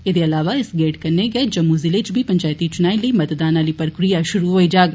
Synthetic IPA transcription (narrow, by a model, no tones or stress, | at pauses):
ɪd̪eɐlaːʋaɪsɡeːʈkɐɾneɡɐed͡ʒɐmːuzɪlet͡ʃbʱipɐ̃ɲt͡ʃaːjt̪it͡ʃʊnaːĩləimɐt̪d̪aːnaːlipɾəkɾijaʃʊɾuɦoid͡ʒaːɡ